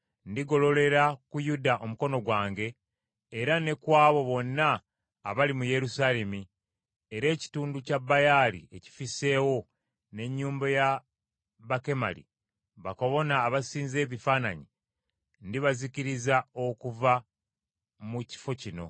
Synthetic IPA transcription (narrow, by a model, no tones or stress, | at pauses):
ndiɡo̞lo̞le̞ɾakujudaʔo̞muko̞no̞ɡwaːŋɡe̞ː | ɾane̞kwaːβo̞βo̞nːaː | βalimuje̞ɾusaːle̞mi | e̞ɾe̞ːci̥tuːnducabajalḭe̞ci̥fise̞ːwo̞ | ne̞ɲːuːmbaja | βake̞ma̰lḭ | βako̞βo̞naːβasiːnze̞ːβifaːna̰ɲi | ndiβaziciɾizao̞kuva | muci̥fo̞cino̞̰